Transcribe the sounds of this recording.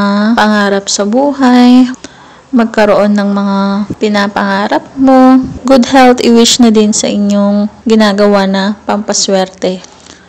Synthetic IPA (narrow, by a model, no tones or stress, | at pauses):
apɐŋaːɾɐp̚sɐbuːɦaj | mɐɡ̚kɐɾoʔo̞nːɐŋmɐŋapɪnapɐŋaːɾɐp̚mo̞ɡʊd̪hɛlt̪ɪwɪʃnɐd̪ɪnsɐ̰ʔɪɲo̞ŋɡɪnaːɡɐwanɐpɐmpɐswɛɾt̪ɛ